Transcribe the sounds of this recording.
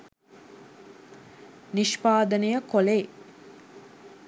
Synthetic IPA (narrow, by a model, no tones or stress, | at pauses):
niʃpaːd̪ənəjəkole